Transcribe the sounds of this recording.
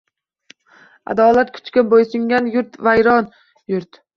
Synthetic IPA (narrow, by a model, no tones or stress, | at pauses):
a̰d̪ɒlat̪kʰʊ̥t͡ʃkʲɪnbojsʊŋɡʲanjʊɾt̪vajɾɒn | jʊɾt̪